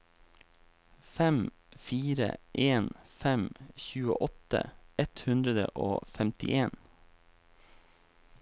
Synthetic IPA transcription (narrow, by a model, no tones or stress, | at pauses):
fɛm | fiːɾə̰ʔeːnfɛmçʉːə̰ʔɔt̪ə̰ɛt̪hʉnd̪ɾəd̪ə̰ʔo̰ːfɛmt̪ɪ̰ʔeːn